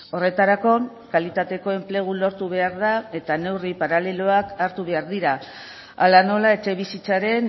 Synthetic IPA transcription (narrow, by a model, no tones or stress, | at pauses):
o̞re̞t̪aɾako̞ | kalit̪at̪e̞ko̞e̞mple̞ɣ̞ulo̞ɾt̪uβe̞aɾðae̞t̪ane̞wripaɾale̞lo̞akaɾt̪uβe̞aɾðiɾa | a̰lano̞lae̞t͡ʃe̞β̞isit͡saɾe̞n